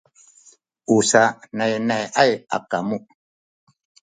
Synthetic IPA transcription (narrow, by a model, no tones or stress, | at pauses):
usanɛjnɛʔaja̰kamuʔ